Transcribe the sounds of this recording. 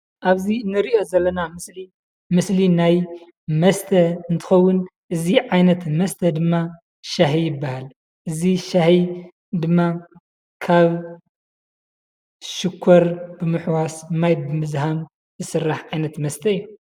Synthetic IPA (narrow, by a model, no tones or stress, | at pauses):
ʔaβzinːɨɾiʔo̞zɐlːɐnamɨsli | mɨslinaj | mɐst̪ʰɐɨnt̪ʰɨ̥xɐwːʊnʔɨziʕajnɐt̪mɐst̪ʰɐd̪ɨmːa | ʃaħijɪbːahal | ʔɨziʃaħi | d̪ɨmːa | kʰaβ | ʃɪkʰːɐɾbɨmɨħwasmajbɨmɨzɦam | zɨsɨrːaħʕajnɐt̪mɐst̪ʰɐjːu